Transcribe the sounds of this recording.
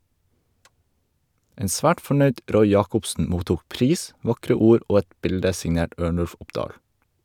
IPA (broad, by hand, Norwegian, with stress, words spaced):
ˈeːn ˈsʋæːʈ fɔˈɳœʏɖ ˈɾɔʏ ˈjɑːkɔpsn̩ ˈmuːtuːk ˈpɾiːs ˈʋɑkɾə ˈuːɾ ˈoː ˈɛt ˈbɪldə sɪŋˈneːʈ ˈøːɳʉlf ˈʊpdɑːl